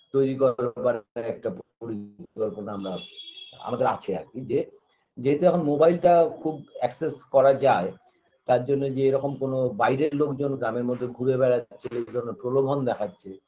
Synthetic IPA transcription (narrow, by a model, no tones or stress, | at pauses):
t̪ojɾikɔɾbaɾeɛk̚ʈapoɾiɔɾponaamɾaa̰mad̪eɾa̰t͡ɕʰea̰bid͡ʑe | d͡ʑeɦet̪oɛkʰonmobajlʈakʰubɛkseskɔɾad͡ʑae | t̪aɾd͡ʑonːed͡ʑeeɾɔkomkonobajɾeɾlokd͡ʑonɡɾameɾmod̪ʱːeɡʱuɾebɛɾaːɕʰeed̪ʱɔɾoneɾpɾolomʱond̪ɛkʰatːɕʰe